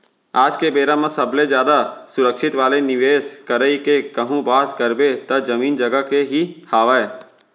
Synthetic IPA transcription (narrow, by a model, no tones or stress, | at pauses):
aːd͡ʒkebeːɾamɐ̃sɐblezjaːd̪asʊɾəkʃɪt̪ʋaːlenɪʋeːskəɾəikekɐɦũbaːt̪kəɾbet̪ɐzɐmiːnd͡ʒɐɡəkeɦihaːʋəeː